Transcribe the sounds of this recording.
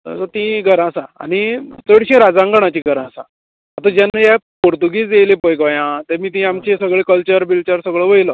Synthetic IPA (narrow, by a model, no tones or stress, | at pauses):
sət̪ĩɡʱəɾãsãa̰nit͡səɽɕẽɾad͡zãŋɡəɳ̃at͡ɕiɡʱəɾãsa̰ | at̪ad͡ʑjanːajapoɾt̪uɡiːd͡zd͡z̪ejlepəjɡəjãt̪emiːt̪ĩamt͡ɕesəɡɭekəlt͡ɕəɾbilt͡ɕəɾsəɡɭəʋəjlə